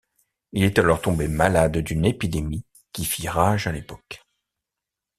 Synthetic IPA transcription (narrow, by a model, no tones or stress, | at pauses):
ilet̪alɔʁt̪ɔ̃bemalad̪d̪ynepid̪emi | kʲifiʁaʒalepɔk